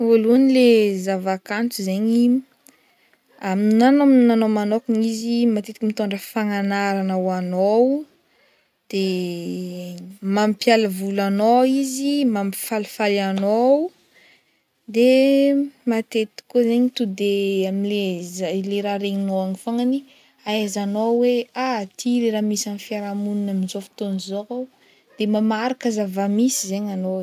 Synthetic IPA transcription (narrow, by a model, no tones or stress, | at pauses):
oluanilezavakant͡suzeɲi | aminanominanomanokuɲizimat̪et̪i̥kimit̪oɳɖ͡ʐəfaŋanaɾanawanow | d̪̥e | mamipjaləvulanoizimami̥falifalanow | d̪e | mat̪et̪i̥kuzeɲit̪ud̪eamilezaleɾaɾeɲinowaŋifaŋani | azanoweat̪ʰiɾeɾamisanifiaɾamununaminzofi̥t̪onizoo | d̪̥emamaɾakazavamisizeɲano